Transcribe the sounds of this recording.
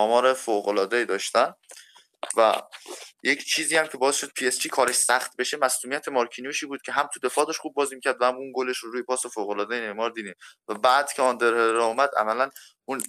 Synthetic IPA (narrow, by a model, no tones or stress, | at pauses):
ɒːmɒːɾefoɣolɒːd̪eiːd̪ɒːʃt̪æn | væ̰je̞cʰt͡ʃʰiːziːhæmcʲʰe̞bɒːezʃo̞d̪̚pʰiest͡ʃʰiːkʰɒːɾe̞ʃsæχt̪̚be̞ʃemæsluːmijæt̪ʰemɒɾcʰinijuʃiːbuːd̪̚cʰe̞ɦæmt̪ʰud̪e̞fɒːd̪ɒʃχuːb̚bɒːziːmicʰæɾd̪væhæmunɡoleʃoɾuːjepʰɒːsefoɣolɒːd̪ejenemɒːɾd̪iːd̪iːmvæbæːd̪cʰeɒːnd̪eɾheɾɒumæd̪ʔæ̰mælæn | un